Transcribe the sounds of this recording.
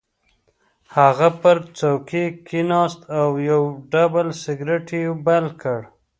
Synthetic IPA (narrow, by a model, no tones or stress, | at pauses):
haɣapəɾt͡sawkekʰinɑst̪awjawɖabəlsɪɡɾeʈʰibalkəɽ